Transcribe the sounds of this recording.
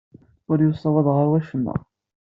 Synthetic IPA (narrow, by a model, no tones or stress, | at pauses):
ʊɾjʊsˤːɑwɑðˤʁəɾwæʃənːæ̰